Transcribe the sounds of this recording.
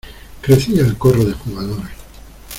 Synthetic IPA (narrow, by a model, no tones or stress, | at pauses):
kɾe̞θiaelkoroðexuɣ̞aðoɾ